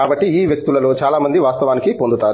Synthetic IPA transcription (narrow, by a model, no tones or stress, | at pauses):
aːbɐʈːiiːʋjɐk̚t̪ulɐlo̞ːt͡ʃaːlaːmɐnd̪iʋaːst̪ɐʋaːnikipond̪ut̪aː